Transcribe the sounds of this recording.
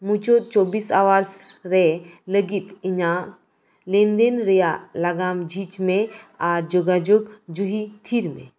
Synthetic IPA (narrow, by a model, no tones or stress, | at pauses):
mũt͡ʃot̪̚t͡ʃoːbisaʋaɾsɾeləɡit̪iɲa | lẽnd̪enɾejalaɡamd͡ʒʱiːt͡ʃmẽaɾd͡ʒoɡad͡ʒoɡd͡ʒuɦit̪ʰiːɾmḛ̃